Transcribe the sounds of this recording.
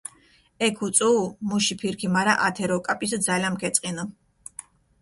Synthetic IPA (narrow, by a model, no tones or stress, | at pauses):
ɛkʰut̪sʼuːmuʃipʰiɾkʰimaɾaʔat̪ʰɛɾɔkʼapʼisd̪zalamɡɛt̪sʼqʼinɔ